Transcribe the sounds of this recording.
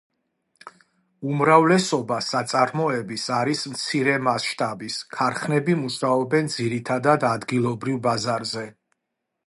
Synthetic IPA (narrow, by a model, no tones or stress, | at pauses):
umɾavlɛsɔbasat̪sʼaɾmɔɛbisaɾismt̪sʰiɾɛmasʃt̪ʼabiskʰaɾχnɛbimuʃaɔbɛnd̪ziɾit̪ʰad̪ad̪ad̪ɡilˠɔbɾivbazaɾzɛ